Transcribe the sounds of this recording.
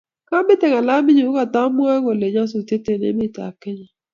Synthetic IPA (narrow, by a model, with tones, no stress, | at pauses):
ka˦bɪ˦tɛ˨ka˨la˦mi˦ɲi˨o˦ka˨ta˦mu˦a˦ɣo˨le˨ɲa˦s̬o˨te˦te˨nḛ˨˦mi˦˨ta̰˨kɛ˦ɲa˨